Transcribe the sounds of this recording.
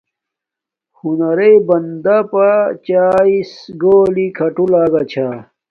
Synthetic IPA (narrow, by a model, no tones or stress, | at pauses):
hunɐɾejbɐnd̪apat͡ɕaːisɡoːlikʰɐʈulaːɡɐt͡ɕʰa